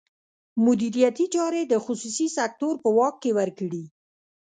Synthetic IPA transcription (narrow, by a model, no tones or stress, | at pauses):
mʊd̪iɾijat̪it͡ʃɑɾed̪əxʊsusisak̚t̪oɾpəwɑkːewəɾkəɽi